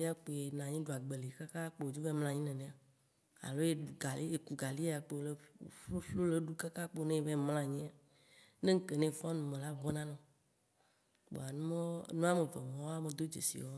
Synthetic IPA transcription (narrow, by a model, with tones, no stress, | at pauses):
i˦a˦k͡po˨e˨nã˨ɲĩ˦ɖu˨a˨ɡ͡be˨li˨ka˦ka˦k͡pe˨o˨d͡ʒo˦ve˦ml̃ã˦ɲĩ˦nẽ˨nẽ˨a˨ | a̰˨lo˦e˦ɖu˨ɡa˨li˦e˨ku˨ɡa˨li˦a˨k͡pe˨le˦˨˦flo˦le˦ɖu˦ka˦ka˦k͡po˦nẽ˦e˨ve˦mlã˦ɲĩ˦a˨ | ne˦ŋ̩˦ke˨nẽ˦˨fɔ̃˦nũ˨mẽ˨la˦vɔ˦nã˦nɔ̃˨ | k͡po̰˨a˨nũ˦mɔ˦nũ˦a˦me˨ve˨mɔ̃˨wa˦me˨d̪o˦d͡ʒḛ˨sḭ˨wɔ˦